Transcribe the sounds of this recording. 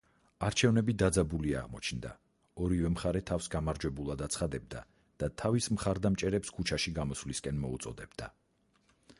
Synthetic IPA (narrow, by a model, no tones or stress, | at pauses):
aɾt͡ʃʰɛvnɛbid̪ad̪zabulia̰ʁmɔt͡ʃʰnd̪a̰ | ɔɾivɛmχaɾɛt̪ʰafsɡamaɾd͡ʒwɛbulˠad̪at̪sʰχad̪ɛb̚d̪a̰ | d̪̥at̪ʰavismχaɾd̪amt͡ʃʼɛɾɛpskʰut͡ʃʰaʃiɡamɔsvliskʼɛnmɔut̪sʼɔd̪ɛbd̪a